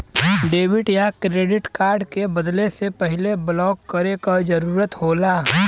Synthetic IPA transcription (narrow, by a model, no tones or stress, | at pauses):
ɖeːʋɪʈjakɾeːɖɪʈkaːɾɖkebɐd̪lesepɛɦɪleblɔːkːɐɾekad͡ʒɐɾuːɾət̪ɦoːlaː